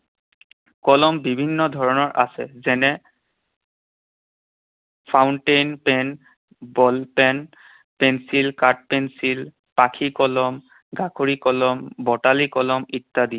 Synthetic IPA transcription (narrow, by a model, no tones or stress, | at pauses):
kɔlɔmbibʱinːɔdʱɔɹɔnɔɹʔa̰sɛzɛnɛ | pʰawnʈejnpɛn | bɔlpɛn | pɛnsilkat̚pɛnsil | pakʰikɔlɔm | ɡakʰoɹikɔlɔmbɔtalikɔlɔmitːadiɛ